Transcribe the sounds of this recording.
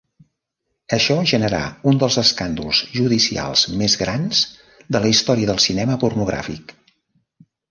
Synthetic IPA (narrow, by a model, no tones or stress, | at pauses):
əʃɔʒənəɾa̰und̪əlˠzəskand̪ulˠzʒuðisia̰lˠz̥mezɣɾanz | d̪ələist̪ɔɾiəðəlˠsinɛməpurnuɣ̞ɾa̰fḭk